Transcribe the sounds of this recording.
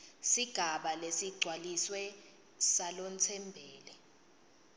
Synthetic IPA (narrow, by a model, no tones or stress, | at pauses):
siɡ̥ʱaɓalesiɡ͡ǀʱwaliswɛ | salont͡sʰɛmbʱɛːlɛ